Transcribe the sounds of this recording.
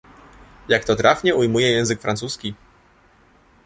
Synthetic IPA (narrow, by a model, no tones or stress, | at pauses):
jakt̪ɔt̪ɾʔafɲɛujmujɛjɛ̃w̃zɘkfɾant̪suskʲi